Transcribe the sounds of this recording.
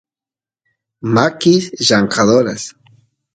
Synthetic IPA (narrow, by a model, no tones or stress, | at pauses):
makisʒaŋkaðoɾas